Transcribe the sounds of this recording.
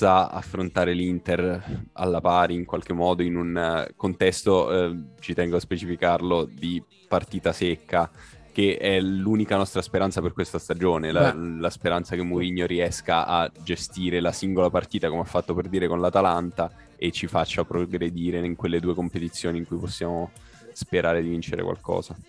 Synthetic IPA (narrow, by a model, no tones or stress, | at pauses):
saa̰fːɾont̪aːɾelint̪era̰lːapaːɾiiŋkwalk̟emːɔːd̪oinunkont̪ɛst̪ot͡ʃit̪ɛŋɡoaspet͡ʃifikarlod̪i | part̪iːt̪asekʰːakeɛluːnikanɔst̪ɾaspeɾant̪saperkwest̪ast̪ad͡ʒoːnelalaspeɾant̪sakemːuɾiɲːoɾiɛskaʔad͡ʒest̪iːɾelasiŋɡolapart̪iːt̪akomeafːat̪ːoperd̪iːɾekonlat̪alant̪a | et͡ʃːifat͡ʃːapɾoɡɾed̪iːɾeiŋkwelːed̪uːekompet̪it̪sjoːniŋkujposːjaːmo | speɾaːɾed̪ivint͡ʃeɾḛkwa̰lkɔ̰ːza